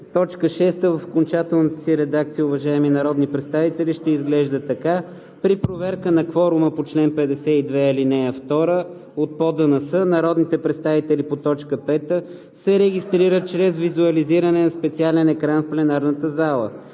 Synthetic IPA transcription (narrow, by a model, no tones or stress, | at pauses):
t̪ɔt͡ʃkəʃɛst̪əvəfo̥kont͡ʃat̪ɛlˠnət̪əsiɾɛd̪akt̪sijəʊvɐʒaɛminɐɾɔd̪nipɾɛt̪st̪avit̪ɛliʃt̪ɛizɡlɛʒd̪ət̪ɐka | pɾipɾovɛɾkənɐkvɔɾʊməpot͡ʃlɛnpɛd̪ɛsɛid̪vɛilinɛɐft̪ɔɾə | ot̪̚pɔd̪ənɐsɤnɐɾɔd̪nit̪ɛpɾɛt̪st̪avit̪ɛlipot̪ɔt͡ʃkəpɛt̪ə | sɛɾɛɡʲist̪ɾiɾət̪̚t͡ʃɾɛzvizuəliziɾənɛnɐspɛt̪sialɛnɛkɾanfplɛnaɾnət̪əzalˠə̰